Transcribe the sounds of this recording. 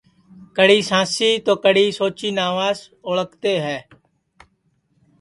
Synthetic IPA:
kəɽiːsãːsiːt̪oːkəɽiːsoːt͡ʃiːnaːʋaːz | oɭəkt̪eːɦɛː

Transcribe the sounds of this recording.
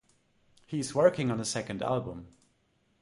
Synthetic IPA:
hiɨzwɜ˞kɪ̃ŋə̃nðəsɛkɨ̃ndæ̰lˠbə̃m

